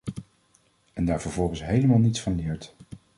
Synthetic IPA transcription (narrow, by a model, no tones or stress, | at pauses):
ɛndaːɹvəɹvɔlˠχənsɦejləmaːlˠnitsfɑnlɪːɹt